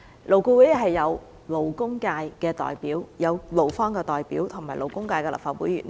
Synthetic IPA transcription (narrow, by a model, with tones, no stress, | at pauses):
lo˨˩wku˧we˨˥jhɐ˨˩jːɐ˨˧w | lo˨˩wkʊ˥ŋkaː˧jkɛː˧t̪ɔ̰ː˨jpiː˨˦˥wjɐ˨˧wlo˨˩wfɔː˥ŋkɛː˧t̪ɔː˨˩jpiː˨˥wt̪ʰŋmaː˨˩jlʔo˨˩wkʊ˥ŋkaː˧jkɛː˧l̰p̚faː˧˥wṵ˨˥jy̰ː˨˩n